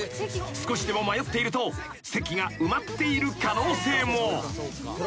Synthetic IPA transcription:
sɨ̥ko̞ɕid̪e̞mo̞majo̞t̪ːe̞iɾɯ̟t̪o̞ | se̞kʲiɡaɯ̟mat̪ːe̞iɾɯ̟kano̞ːse̞ːmo

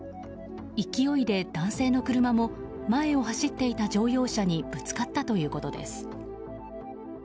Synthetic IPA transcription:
ikʲio̞id̪e̞d̪̥ãɰ̃se̞ːno̞kɯ̟ɾɯ̟mamo̞ | mae̞o̞haɕit̪ːe̞it̪ad͡ʑo̞ːjo̞ːɕaɲ̟ib̥ɯ̟t͡sɨ̥kat̪ːat̪o̞jɯ̟ːko̞t̪o̞d̪e̞̰sɨ̥

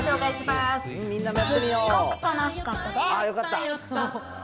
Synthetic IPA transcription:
ɕo̞ːkaiɕimasmʲĩnːamjat̪ːemʲioːkoɯ̟̥k̪anaɕi̥kat̪ːad̪eajo̞kat̪ːa

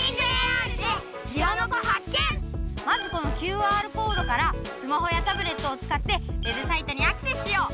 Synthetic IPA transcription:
iɡeaːɾɯ̟d̪e | d͡ʑianoɡoɦakːẽ̞ŋmazɨko̞no̞kʲɨːaːɾɯ̟ko̞ːɾo̞kaɾasɨmaɦo̞jat̪abɯ̟ɾe̞t̪ːo̞ːt͡sɨ̥kat̪ːe̞we̞bɯ̟sait̪oɲ̟iakɯ̟̥se̞si̥ɕijo̞ː

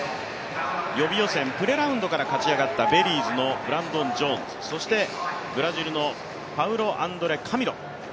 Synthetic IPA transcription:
jo̞bʲijo̞sẽ̞mpɯ̟ɾe̞ɾaɯ̟nd̪o̞kaɾakat͡ɕiaɡat̪ːabe̞ɾʲiːzɨno̞bɯ̟ɾãnd̪õ̞ɲd͡ʑõ̞nzɨ̥so̞ɕi̥t̪e̞ɡɯ̟ɾaʑiɾɯ̟no̞ | paɯ̟ɾo̞ʔãnd̪o̞ɾe̞kʰamʲiɾõ̞̰

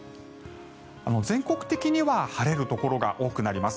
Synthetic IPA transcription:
ano̞zẽ̞ŋkokɯ̟̥t̪ekʲiɲ̟iβahaɾe̞ɾɯ̟t̪o̞ko̞ɾo̞ɡa̰ʔo̞ːkɯ̟naɾʲimasɨ̥

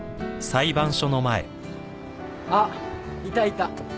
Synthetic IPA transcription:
saibãɰ̃ɕono̞maḛ | ait̪ait̪a

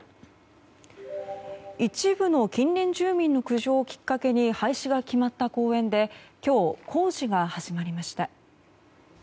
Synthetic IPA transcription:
it͡ɕibɯ̟no̞kʲĩnːẽ̞ɲ̟d͡ʑɨːmʲĩnːo̞kɯ̟ʑo̞ːkʲi̥kːake̞ɲ̟ihaiɕiɡakʲimat̪ːako̞ːẽ̞nd̪e̞kʲo̞ːkʰo̞ːʑiɡahaʑimaɾʲimaɕi̥t̪a

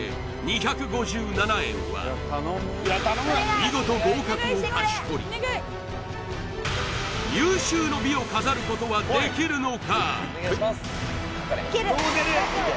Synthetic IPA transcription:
ḛ | ɲiçakɯ̟ɡo̞ʑɨːnanaẽ̞̰ɰ̃βa̰ | mʲiɡo̞t̪o̞bo̞ːkakɯ̟oaɕi̥to̞ɾʲḭ | jɯːɕɨːno̞bʲio̞kazaɾɯ̟ko̞t̪o̞βad̪e̞kʲiɾɯ̟no̞ka

